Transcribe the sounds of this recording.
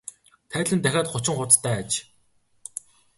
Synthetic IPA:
t̪ʰæːt̪ɮʲɘ̆nt̪æxʲaːt̪χʊt͡ɕɪ̆ŋχʊt͡st̪ʰːæːt͡ɕ

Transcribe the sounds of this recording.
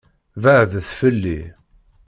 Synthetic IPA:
vəʕðəθfəlːi

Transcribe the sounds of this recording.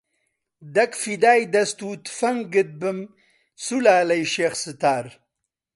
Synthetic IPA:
d̪ɐkfid̪aːjd̪ɐst̪uːt̪fɐŋɡəd̪̚bəm | sulaːlɐjʃeːxsɨt̪aːɾ

